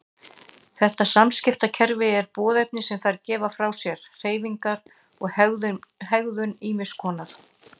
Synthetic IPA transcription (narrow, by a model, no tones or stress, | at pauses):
θɛht̪asamscɪft̪acʰɛɾvɪɛɾpɔːðejp̚nɪsɛmθaɾcɛːvafɾawsjɛɾ̥r̥eːjviŋkaɾ | ɔɣɣʏɦɛɣðʏniːmɪskʰɔːnaɾ̥